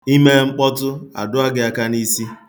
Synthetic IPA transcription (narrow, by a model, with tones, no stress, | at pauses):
i˦me˦ŋ͡m̩˦k͡pɔ˦tʊ˦a̰˨dʊ˦a˦ɡɪ˨a˦ka˦ni˦si˦